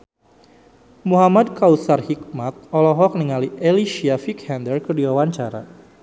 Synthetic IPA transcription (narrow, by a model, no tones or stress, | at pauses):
muɦamad̚kausarhik̚mat̪̚ɔlɔɦɔk̚niŋaliʔeliʃiafikhɛndərkərdiwawaɲt͡ʃaɾa̰